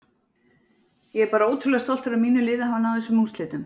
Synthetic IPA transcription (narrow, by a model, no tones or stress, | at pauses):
jɛɛɾpaːɾaoːwt̪ʰɾʏlɛɣast̪ɔl̥t̪ʏɾamiːnʏlɪːðahanːawðθɛsːʏmunst̪ɪːt̪ʏm